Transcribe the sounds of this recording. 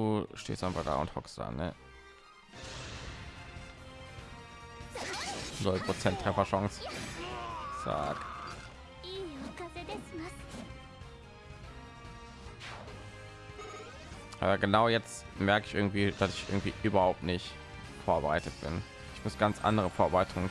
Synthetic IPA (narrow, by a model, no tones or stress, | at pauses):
duːʃtḛːstʔanva̰lda̰ːʊ̰nthɔ̰ksd̥a̰ːnə̰ | nʊlpʁ̥ot͡sɛntːʁ̥ɛfɐʃɔŋs | z̥a̰ːk | ʔa̰ːbɐɡənaʊjɛt͡st | mɛɐkɪçʔɪɐɡŋ̩tv̥iːd̥asɪ̥çʔɪ̰ɐɡŋ̩tv̥ḭːʔyːbɐhaʊp̚tnɪçt | foːɐbəʁaɪtət̚b̥ɪn | ɪçmʊsɡ̥ant͡sʔa̰ndəʁəfoːɐbəʁaɪtʰʊŋə